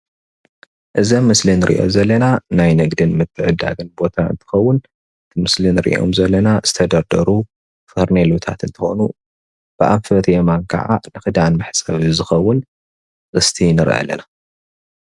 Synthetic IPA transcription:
ʔɨzɐmɨslinɨɾʔḭʔo̞̰zɐlːɐnanajnɐɡd̪ɨnmɨt̪ʰːɨʕɨd̪ːa̰ɡɨnbo̞t̪ʰaɨ̰nt̪ʰɨ̥xɐwːʊn | ɨt̪ʰimɨslinɨɾḭʔo̞̰mzɐlːɐnaz̥ɨt̪ʰɐd̪ɐɾd̪ɐɾu | fɐɾnelut̪ʰa̰t̪ɨnt̪ʰɨxo̰nu | b̥ɨʔaβfɐt̪ʰjemankʰɐ̰ʕa̰nɨxɨd̪anmɨħsʼɐβzɨxɐwːʊn | ʔʼɨst̪ʰinɨɾʔɐ̰lːɐ̰na

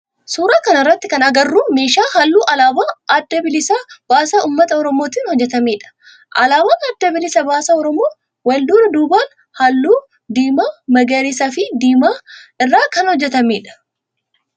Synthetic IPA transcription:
suːɾaːkɐnɪrːɐt̪ːɪkɐnɐɡɐrːuːmeːʃaːhɐlːuːʔɐlaːbaːɐd̪ːɐbɪlɪsaːb̥aːsaːuːmːɐt̪ɐɔɾɔmo̞ːt̪iːnhɔd͡ʒːɛt̪ɐmeːᶑɐ̥ | ʔɐlaːbaːnɐd̪ːɐbɪlɪsɐbaːsɐɔɾɔmoː | wɐld̪uːnɐd̪uːbaːn | hɐlːuː | d̪iːmaːmɐɡeːɾɪsafɪd̪iːmaːɪrːaːkɐnhɔd͡ʒːɛt̪ɐmeːᶑɐ̥

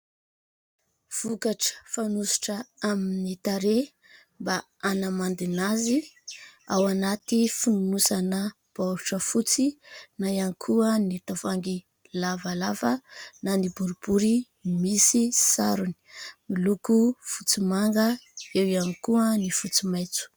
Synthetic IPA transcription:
v̥ukaʈ͡ʂə̥fanusu̥ʈ͡ʂəaminit̪aɾe | mba | anamand̪inazi | awanat̪ifununusanə | b̥aʈ͡ʂəfut͡sinajanikʰuənit̪avaŋɡi | lavalavənanibuɾubuɾi | misisaɾuni̥milukufut͡simaŋɡəewjanikuənifut͡simajt͡su̥

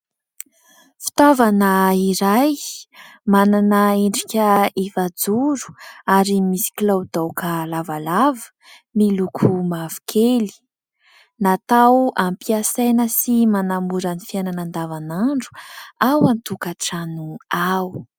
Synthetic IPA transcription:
fi̥t̪avanəiɾaj | mananəeɳɖ͡ʐikʲəefad͡zuɾu̥aɾimisi̥kilawd̪awkəlavalavə̥ | milukʰumavu̥kʰeli̥ | nat̪awampiasajnəsimanamuɾənifiananand̪avanaɳɖ͡ʐu̥awant̪ukaʈ͡ʂanuaw

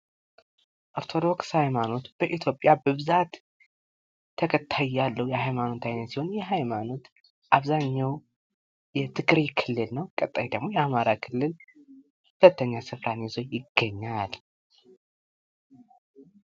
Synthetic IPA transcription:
ʔoɾt̪ʰo̞d̪o̞kshajmano̞t̪b̥əʔit̪ʰjo̞pʼːjabəβɨzat̪ | əkʰət̪ʰːajːalːəwjɛhajmano̞t̪ʰajnət̪siho̞njɛɦajmano̞t̪ | ʔaβzaɲːaw | jɛt̪ʰɨɡɾikʰɨlːɨlnəwkʼət̪ʼːajid̪əɡmo̞jɛamaɾakʰɨlːɨl | hulət̪ʰːəɲːasɨfɾanezo̞jɪɡːəɲːal

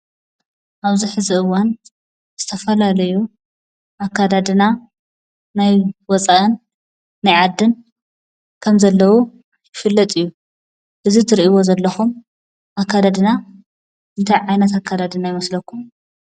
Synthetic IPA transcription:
ʔaβziħɨziʔɨwːan | z̥ɨt̪ʰɐfɐlalɐju | ʔakːad̪ad̪ɨna | najwɔt͡sʼaʔɨnː | ajʕad̪ːɨn | kʰɐmzɐlːɐwu | jɪfɨlːɐt̪ʼɨjːu | ʔɨzit̪ʰɨɾiʔiwozɐlːɐxum | ʔakʰːad̪ad̪ɨna | ɨnt̪ʰajʕajnɐt̪akʰːad̪ad̪ɨnajɪmɐslɐkːum

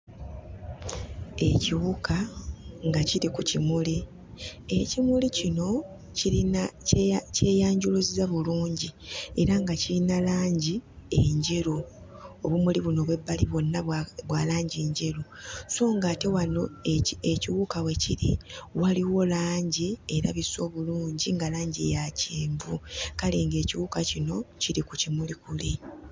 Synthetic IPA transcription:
e̞ciwukʰaŋɡaciɾikucimuli | e̞cimulicino̞ | ciinace̞ːjaːɲɟuluzizaβuluːɲɟie̞ɾaŋɡacilinalaːɲɟieɲɟe̞ɾo | oβumuliβuno̞βwe̞bːaliβo̞nːaβwaːlaːɲɟeːɲɟe̞ɾoso̞ːŋɡaːte̞wano̞eciwukawe̞ciɾḭwaliwo̞laːɲɟie̞ɾa̰βiso̞ːβuluːɲɟiŋɡalaːɲɟiḛjaceːɱvukale̞ːŋɡe̞ːciwuːkacino̞ciɾikucimulikuli

